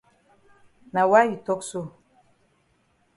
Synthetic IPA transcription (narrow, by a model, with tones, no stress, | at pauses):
na˨wa˦ji˨tɔ˦kso˦˨